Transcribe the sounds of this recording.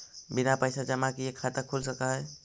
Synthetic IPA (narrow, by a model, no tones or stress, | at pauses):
binapəjsad͡ʒəmãkiekʰːat̪əkʰulsəkaɦəj